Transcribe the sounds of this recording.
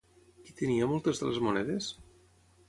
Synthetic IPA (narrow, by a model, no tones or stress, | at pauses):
kit̪əniəmɔlˠt̪ezðəlezmonɛðes